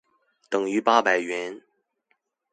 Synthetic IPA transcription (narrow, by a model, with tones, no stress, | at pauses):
t̪ɤ˨˩ŋy˧˥pa˥pa˨˩ɪɥɛ˧˥n